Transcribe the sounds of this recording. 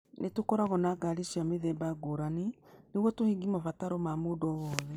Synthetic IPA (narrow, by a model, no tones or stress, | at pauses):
netokɔɾaɣɔnaːɡaɾiʃiameðɛːmbaɡoɾaneneɣwɔtohiɡimafataɾɔmamoːdɔwɔːðɛ